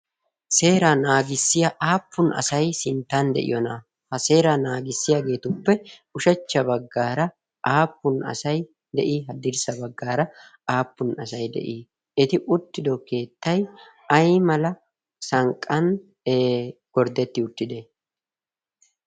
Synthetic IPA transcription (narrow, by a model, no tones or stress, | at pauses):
se̞ːɾanaːɡɪsːɪjaʔaːpːʊnʔɐ̰sɐjsɪnt̪ːɐnd̪ɛ̰ʔɪ̰jɔnɐ | hɐse̞ːɾanaːɡɪsːɪjaɡe̞ːt̪ʊpːɛʊʃɐt͡ʃːɐbɐɡːaːɾɐ | ʔaːpːʊnɐ̰sɐj | d̪ɛʔiɦɐd̪ɪɾsɐbɐɡːaːɾɐ | aːpːʊnɐsɐjd̪ɛ̰ʔiː | ɪt̪ɪʔʊt̪ːɪd̪ɔke̞ːt̪ːɐj | ɐjmɐlɐ | sɐŋkʼːɐnː | ɡ̥ɔɾd̪ɛt̪ːɪʊt̪ːɪd̪ɛ